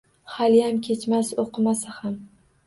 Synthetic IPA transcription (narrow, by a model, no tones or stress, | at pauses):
haljamkʲʰe̞t͡ʃmasoqʰɨmasaham